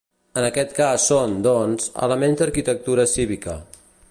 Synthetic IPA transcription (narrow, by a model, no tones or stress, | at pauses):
ənəkɛt̪kasːond̪ɔnzə̰ləmenzd̪əɾkit̪ək̚t̪uɾəsiβikə